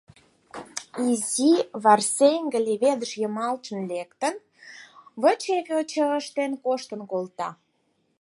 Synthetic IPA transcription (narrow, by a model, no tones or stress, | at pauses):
iziβɑrseŋɡə̆lʲeβed̪əʃjəmɑlt͡ʃə̆nlekt̪ən | βət͡ɕeβʲot͡ɕəəʃt̪enkoʃt̪ənkolt̪ɑ